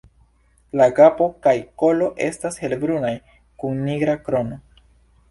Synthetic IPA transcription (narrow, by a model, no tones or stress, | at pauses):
laɡapo̞kajko̞lo̞ʔe̞̰stashe̞lbɾunaj | kunːiɡɾakɾo̞no̞